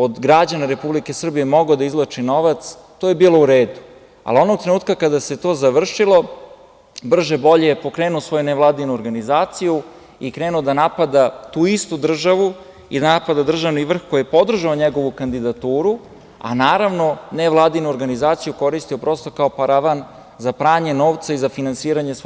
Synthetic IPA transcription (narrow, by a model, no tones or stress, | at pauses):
od̪ɡɾad͡ʑanaɾe̞publike̞sr̩bijemo̞ɡod̪aizlˠat͡ʂino̞ʋat̪s | t̪oje̞biːlˠouɾeːd̪u | a̰lo̞noɡ̚t̪ɾenuːt̪̚kakad̪ase̞t̪o̞ːzaʋr̩ʂilo̞ | br̩ʒebo̞ʎejepo̞kɾeːnuosʋo̞juneʋlˠaːd̪inuoɾɡanizaːt̪siju | ikɾeːnuod̪anapad̪at̪uist̪ud̪r̩ʒaʋu | ḭd̪anapad̪ad̪r̩ʒaʋniʋr̩xkojepod̪r̩ʒaoɲeɡo̞ʋukand̪id̪at̪uːɾu | a̰naːɾaʋno̞neʋlˠaːd̪inuoɾɡanizaːt̪sijuko̞ɾist̪io̞pɾo̞st̪okao̞paɾaʋan | zapɾaːɲe̞no̞ːʋt̪saizafinansiːɾaɲes